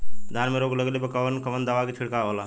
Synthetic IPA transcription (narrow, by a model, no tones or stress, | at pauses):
d̪ʱanmeɾoɡləɡlepəkəbənkəbənd̪əʋaket͡ʃʰiɽkaola